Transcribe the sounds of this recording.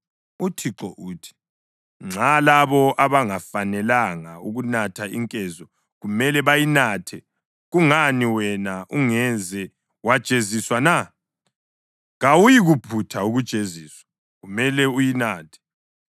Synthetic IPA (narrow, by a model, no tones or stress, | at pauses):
utʰiǁɔʔuːtʰi̥ | ŋ͡ǁʱalaβɔʔaβaŋafanɛlaŋauɣunatʰaiŋkʼɛzɔ | ɣumɛlɛβajinatʰɛ | ɣuŋaniwɛnaʔuŋɛzɛ | wad̥ʒ̥ʼʱeziswana | ɣawujiɣupʰutʰauɣud̥ʒ̥ʱʼeziːswḁ | ɣumɛlɛujinaːtʰɛ̥